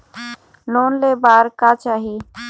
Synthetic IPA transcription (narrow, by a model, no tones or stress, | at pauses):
loːnleːbaːɾkaːt͡ʃaːɦiː